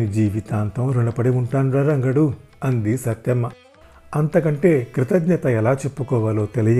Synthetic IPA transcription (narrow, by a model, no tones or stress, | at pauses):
id͡ʒiːʋit̪aːnt̪ɐmɾeɳɖɐpɐɽiuɳʈaːnɾaːɾɐŋɡɐɽu | ɐnd̪isɐt̪jɐmːɐ | ɐnt̪ɐkɐɳʈe̞ːkɾit̪ɐd̪ɲɐt̪ɐɛlaːt͡ʃepːukɔːʋalo̞ːt̪elijɐ